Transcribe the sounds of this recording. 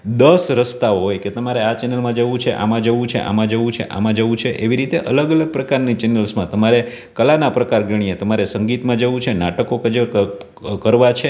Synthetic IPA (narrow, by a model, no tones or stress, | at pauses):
d̪əsɾəst̪aɦojket̪əmaɾeat͡ʃɛnəlmãd͡ʒəʋũt͡ʃʰeʔa̰mãd͡ʒəʋũt͡ʃʰḛʔa̰mãd͡ʒəʋũt͡ʃʰḛʔa̰mãd͡ʒəʋũt͡ʃʰeʔeʋiɾit̪eʔələɡələɡ̚pɾəkaɾnit͡ʃɛnəlsmãt̪əmaɾe | kəlanapɾəkaɾɡəɽijet̪əmaɾesəŋɡit̪mãd͡ʒəʋũt͡ʃʰenaʈəkokəd͡ʒe | kəɾʋat͡ʃʰe